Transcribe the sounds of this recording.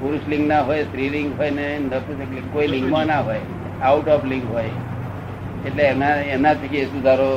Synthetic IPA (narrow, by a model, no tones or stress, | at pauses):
puɾuslĩŋɡnaɦojsɾiliŋɡɦɔjnenət̪isəklĩkːoilĩŋɡmãnaɦoj | auʈɔpliŋɡɦoj | eʈleenaenat̪ʰikiesũd͡zʱaɾo